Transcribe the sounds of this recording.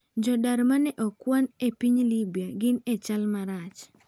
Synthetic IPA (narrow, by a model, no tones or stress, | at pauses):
d͡ʒɔdaɾmanɛʔɔkwanepiɲlibiaɡɪnet͡ʃalmaɾat͡ʃ